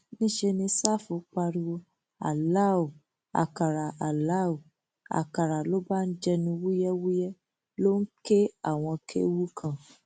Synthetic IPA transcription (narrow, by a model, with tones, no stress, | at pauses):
nĩ˦ʃe˧nĩ˧sa˦˨fũ˨˦k͡pa˧ɾi˧wo˧ | a̰˨la˦˨o˨ | a̰˨ka˨ɾa˨a˨la˦˨o˨ | a̰˨ka˨ɾa˨lo˦ba˦n̩˦d͡ʒɛ˦nũ˧wu˦jɛ˦wu˦jɛ˦ | lo˦ŋ̩˦ke˦a˦˨w̃ɔ̃˧kʰḛ˦wu˦kʰã˦˨